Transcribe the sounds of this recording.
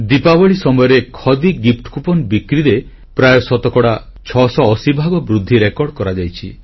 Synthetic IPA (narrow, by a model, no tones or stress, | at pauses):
d̪ipabɔɭisɔmɔjɔɾekʰɔd̪iɡip̚ʰʈkupɔnbikɾiɾe | pɾajɔsɔt̪ɔkɔɽa | t͡ʃʰɔsɔːsibʱaɡɔbɾud̪ʱːiɾekɔɾɖkɔɾad͡ʒajt͡ʃʰḭ